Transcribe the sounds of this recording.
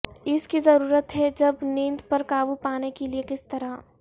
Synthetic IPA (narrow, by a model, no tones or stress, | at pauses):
ɪskizɐɾuːɾət̪ɦɛd͡ʒɐbnĩːnd̪pɐɾkaːbupaːnekeliekɪst̪ɐɾa